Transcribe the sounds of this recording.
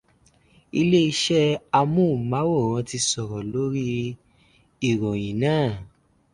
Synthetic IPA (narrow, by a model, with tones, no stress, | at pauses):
i˧le˦i˧ʃɛ˦a˧mũ˦˨mã˨˦wo˦˨ɾ̃ã˧ti˧sɔ˨ɾɔ˨lo˦ɾi˦ | i˨ɾõ˨j̃ĩ˨nãː˦˨